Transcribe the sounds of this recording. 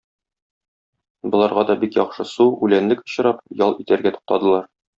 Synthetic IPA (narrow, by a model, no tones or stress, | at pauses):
bŏlˠɑɾʁɑd̪ɒbikjɒχʃɤsuʉlænlɘkŏ̥ɕɤ̆ɾɑpjɒlˠʔit̪æɾɡæt̪u̥q̚t̪ɑd̪ɤ̆lˠɑɾ